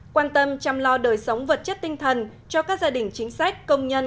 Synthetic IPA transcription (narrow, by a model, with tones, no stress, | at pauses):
kwaː˧nt̪ə˧mt͡ɕa˧mlɔ˧ɗəː˨˩jsə˨˦wŋ͡mvə˨˩t̚t͡ɕə˦˥t̚t̪ï˧ŋt̪ʰə˨˩n | t͡ɕɔ˧kaː˦˥k̚zaː˧ɗï˨˩ŋ̟t͡ɕï˨˦ŋ̟sa˦˥jk̟̚kə˧wŋ͡mɲə˧n